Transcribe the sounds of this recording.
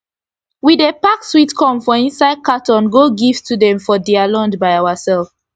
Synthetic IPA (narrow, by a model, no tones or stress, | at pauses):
widepakswitkʰɔ̃mfɔĩnsaɪd̚katɔ̃nɡoɡivtʰudɛ̃mfɔdialɔ̃ndbajawasɛlf